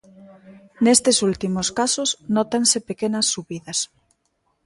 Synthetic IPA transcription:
nest̪esult̪imoskasosnot̪ansepekenɐsːuβiðɐs

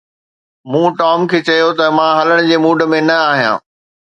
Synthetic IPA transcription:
mũːʈaːmkʰeːt͡ɕɐjot̪ɐmãɦɐləɽ̃d͡ʑeːmuːɖʱmẽnɐaːɦijã̰ː

